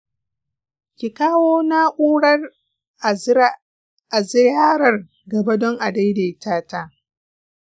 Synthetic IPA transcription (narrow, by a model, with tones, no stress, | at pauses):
kʲi˨kaː˦woː˦na˦ʔuː˦ɽɐ˦r | a˨zɪ˦jaː˦ɾɐ˨r | ɡɐ˨ba˦dɔ˦ŋʔa˨da˦jde˨taː˦taː˦